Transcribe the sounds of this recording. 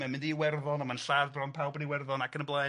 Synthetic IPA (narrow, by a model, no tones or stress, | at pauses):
mɛmɪ̃ndiwɛrðɔnamanɬarrɔnpʰawˠbɔniwɛrðɔnakʰənəmblˠɛ